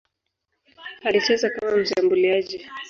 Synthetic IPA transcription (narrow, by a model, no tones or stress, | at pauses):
halit͡ʃɛzakamam̩ʃambuliaʄi